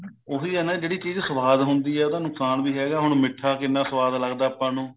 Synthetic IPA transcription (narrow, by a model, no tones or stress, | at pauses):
oːɦiːɦɛːnãːd͡ʒeːɽiːt͡ʃiːd͡ʒsəʋaːd̪ɦʊnd̪iːɛːt̪ãːnʊksaːnʋiːɦɛːɡaːɦʊɳmɪʈʰːaːkɪnːãːsəʋaːd̪ləɡd̪aːəpːãːnũː